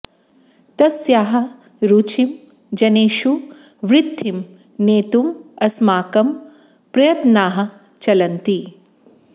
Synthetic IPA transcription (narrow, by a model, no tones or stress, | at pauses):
t̪ɐsjaːɦɐ̆ | ɾuːt͡ʃim | d͡ʒɐneːʃu | ʋɾɪd̪ʱːim | neːt̪umɐsmaːkɐm | pɾɐjɐt̪naːɦɐ̆ | t͡ʃɐlɐnt̪i